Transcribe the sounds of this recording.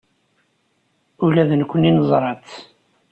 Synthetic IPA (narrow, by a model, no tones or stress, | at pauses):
ʊlæðənkʷːəninəzˤɾˤɑt͡s